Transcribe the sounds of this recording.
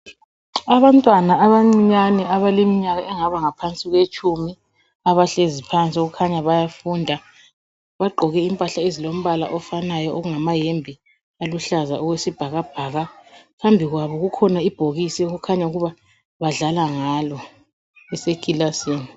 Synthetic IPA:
aβantʼwanaːβaŋ͡ǀiɲanɛaβalemiɲaɣaʔɛŋaβaŋapʰant͡sʼiɣwet͡ʃʼumi | aβaɬezipʰant͡sʼioɣukʰaɲaβajafundʱa | βaɡ͡ǃʱɔɣɛimpʼaɬaezilom̩βala̰ʔɔfanajɔʔoɣuŋamajembʱi | aluɬaza̰ʔɔɣwesib̥ʱaɣab̥ʱaːɣakambʱiɣwaβɔɣukʰɔnaib̥ʱoɣisɛuɣukʰaɲauɣuβa | βaɮalaŋalɔ | ɛsekʼilaseːni

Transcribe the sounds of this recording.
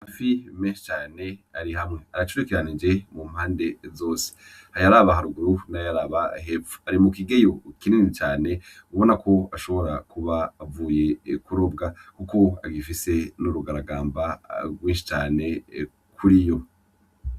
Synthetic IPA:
hafimeːnʃi̥t͡ʃaːne̞aɾiɦamŋe̞aɾat͡ʃuɾekeɾanid͡ʒe̞mum̥haːnde̞zo̞ːse̥ | hajaɾaβaɦaɾuɡuɾunajaɾaβaɦefu̥aɾimukiɡe̞jo̞kininit͡ʃaːne̞ | uβo̞nakʰo̞aʃo̞βoɾakuβaːvuːje̞kuɾobɡakuko̞a̰ɡifise̞nuɾuɡaɾaɡaːmbaɡwiːʃi̥t͡ʃaːne̞ | kʰuɾijo̞

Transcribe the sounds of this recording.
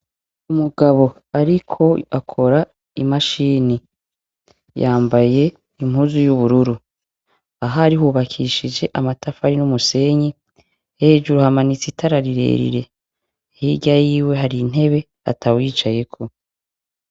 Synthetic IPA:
umuɡaβo̞ | aɾikʰo̞akʰo̞ɾa | imaʃiːni | jaːmbaje̞ | imhuːzujuβuɾuɾu | aɦaɾihuːβakʰiʃid͡ʒe̞ʔamatafaɾinumuse̞ɲi | he̞ːd͡ʒuɾuhamanit͡sitʰaɾaɾiɾe̞̰ːɾḭɾe̞ | hiɟajiːwe̞ɦaɾin̥e̞βe̞ | a̰tʰawiːt͡ʃaje̞kʰo̞

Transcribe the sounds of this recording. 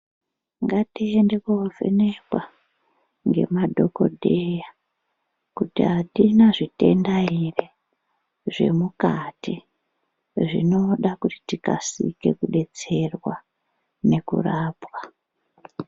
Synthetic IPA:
ŋɡatiendekuovʱḛnekwa | ŋɡe̞̰madʱo̞ko̞̰dʱeja | kutiɦatinaʐite̞̰ndaire | ʐe̞̰mukati | ʐḭno̞ɗakuti̥tika̰sḭke̞kuɗe̞t͡se̞rwa | ne̞kṵraːpwa

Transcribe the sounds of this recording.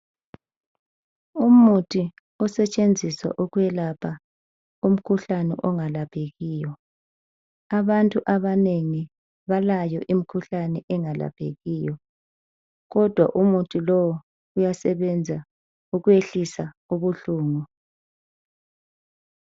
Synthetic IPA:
umutʰʼi | ɔsɛt͡ʃʼend͡zʱiswa̰ʔuɣjɛlapʰa | um̩kʰuɬanɛ̰ʔɔŋalapʰeɣijɔ | aβantʼuʔaβaneŋi | βalajɔʔim̩kʰuɬanɛʔɛŋala̰pʰḛɣijɔ | ɣɔd̥ʱwa̰ʔumutʰʼilɔwɔ | ujasɛβɛnd͡zʱa | uɣueɬisa | uβuɬuːŋɔ

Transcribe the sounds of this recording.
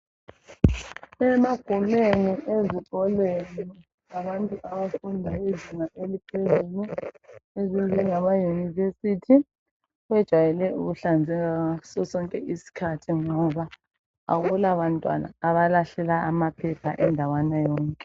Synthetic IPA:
ɛmaɡ̥ʱumeniʔeziǃɔlweni | aβantʼuaβafundʱaweziŋaʔelipʰezuːlu | ezinzʱiŋamajunivesitʰi | wɛd̥ʒ̥ʱwajɛlɛuɣuɬand͡zʱɛɣasɔsɔŋkʼɛʔisi̥kʰatʰiŋɔβa | a̰ɣulaβantʼwa̰na̰ːβalaɬɛlaamapʰɛpʰaʔɛndʱawanajɔːŋkʼɛ

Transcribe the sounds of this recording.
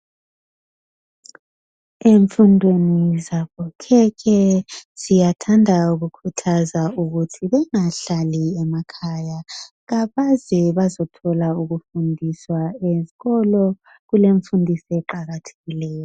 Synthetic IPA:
eɱfundʱwenizaβɔkʰɛkʰɛz̥ijatʰandʱauɣukʰutʰazauɣutʰiβɛŋaɬaliɛmakʰaja | ɣaβazɛβazɔtʰɔlauɣufundʱiswaeziɣɔlɔ | ɣuleɱfundʱisɛǃaɣatʰe̥ɣilɛːjɔ

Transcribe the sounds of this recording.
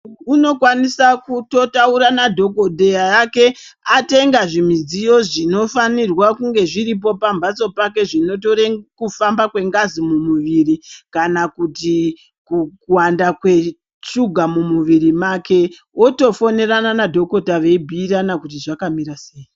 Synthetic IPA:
uno̞kwanisakuto̞tauɾanadʱo̞kodʱe̞jajake̞ate̞ŋɡaʐimid͡zijo̞ʐino̞fanirwakuŋɡe̞ʐirip̬o̞pambat͡so̞pake̞ʐino̞toɾekufambakwe̞ŋɡazimumuʋirikanakuti | kukuwandakwe̞ | t͡ʃuɡʱamumuʋiɾimake̞ | o̞to̞fo̞ne̞ɾananadʱo̞ko̞taʋe̞ibʱiːranakut̬iʐakamiɾaseːji

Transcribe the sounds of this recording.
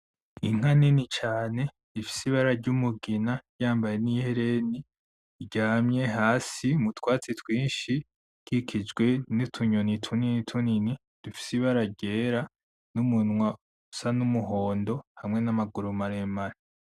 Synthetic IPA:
iŋ̥haninit͡ʃaːne̞ | difi̥siβaɾaɾɟumuɡinaɾjaːmbaje̞niheɾe̞ni | ɟaːmɲe̞ɦaːsimutwaːt͡sitwiːnʃi | kikʰid͡ʒɡwe̞nitʰuɲonitʰuninitʰunini | d̥ufi̥siβaɾaɟe̞ːɾa | numunŋwa | usanumuɦo̞ːndo̞hamŋe̞namaɡuɾumaɾemaɾa

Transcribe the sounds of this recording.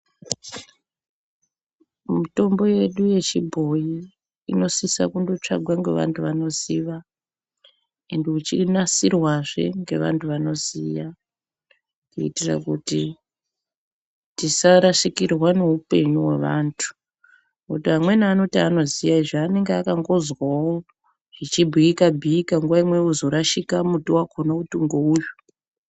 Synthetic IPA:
muto̞mbo̞je̞ɗuje̞t͡ʃibʱo̞ji | ino̞sisa̰kundo̞t͡ʂa̰ɡʱwaŋɡe̞ʋa̰ntʰuʋano̞ziʋa | e̞nde̞ut͡ʃinasirwaʐe̞̰ŋɡe̞̰ʋa̰ntʰuʋano̞zija | kuitira̰kuti | tisaɾaʃikirwane̞upe̞ɲuwe̞̰ʋa̰ntʰu̥ | utiɦamwe̞naːno̞tiano̞zijaiʐeane̞ŋɡeakaŋɡo̞zwawo | ʐit͡ʃibʱiikabʱiːkaŋɡuʋaimwe̞uzo̞ɾaʃikamutuwakʰonautuŋɡouːju

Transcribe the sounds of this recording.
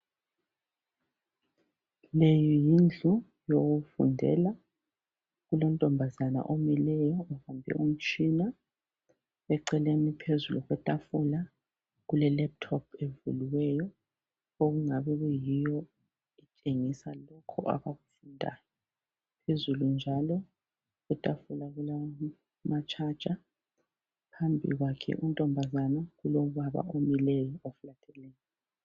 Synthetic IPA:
lejɔjind͡ɮʱu | joɣufṵndʱɛ̰la | ɣulɔn̩tʼɔmbʱazana̰ʔomilɛjɔuhambʱɛ̰ʔum̩t͡ʃʰʼina | ɛǀɛlenipʰezuluɣwɛtʼafula | ɣulɛlɛp̚tʰɔpʰevṵliwɛjɔ | oɣuŋaβɛɣɛjijɔ | it͡ʃʼeŋisalɔkʰɔ̰ʔa̰βaɣufundʼʱaːjɔ | pʰezulund͡ʒʱalɔ | ɣutʼafulaɣula | mat͡ʃʰʼad̥t͡ʃʼa | pʰambʱḭɣwakʰɛ̰ʔuntʼɔmbʱazanaɣuloβaβa̰ʔomilɛjɔofulatʰɛlɛːjɔ

